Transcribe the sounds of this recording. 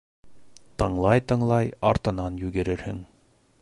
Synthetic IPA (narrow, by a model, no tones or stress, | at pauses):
t̪ɤ̆ɴlˠɑjt̪ɤ̆ɴlˠɑjɑɾt̪ɤnɑnjʉɡɘ̆ɾɘɾhɘ̰ŋ